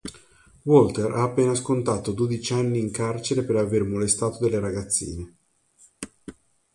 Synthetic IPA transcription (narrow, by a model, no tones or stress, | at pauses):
wɔlt̪eɾaːpːeːnaskont̪aːt̪od̪od̪it͡ʃanːiːŋkart͡ʃeɾepeɾavermolest̪aːt̪od̪elːeɾaɡat̪sːḭːne